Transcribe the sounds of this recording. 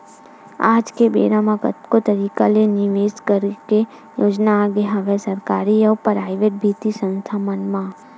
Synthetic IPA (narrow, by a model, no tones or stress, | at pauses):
aːd͡ʒkebḛːɾãmãkə̰t̪kot̪əɾiːkaleniʋeːskəɾke | joːd͡ʒnaːɡeɦɐʋɛsɐɾkaːɾiɔʋpɾaːɪʋeʈ̚bʱiːt̪isə̃nst̪ʰamənmã